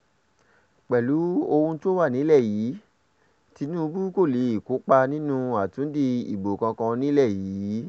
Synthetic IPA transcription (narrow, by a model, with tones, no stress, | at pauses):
k͡pɛ˨lu˨˦o˧hũ˧to˦wa˦˨nĩ˨˦lɛ˦˨jiː˨˦ | ti˧nũ˦bu˦ko˦˨le˨˦i˦˨ku˨˦k͡pa˧nĩ˦nũ˦˧a˨tũ˨˦di˧ḭ˨bo˨kã˧kã˧nĩ˦lɛ˦˨jiː˨˦